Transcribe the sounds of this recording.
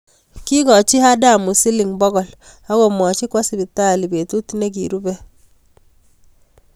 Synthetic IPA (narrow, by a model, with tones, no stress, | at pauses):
ki˦kɔ˨t͡ʃi˦ha˦da˦˨mu˨si˦li˨ŋbɔ˦ɣɔ˨l | a˦ɡɔ˨mwɔ˨t͡ʃi˦kwa˦si˨bi˨ta˦˨li˨be˨tu˦tne˦k̬i˨ɾu˦bɛ˦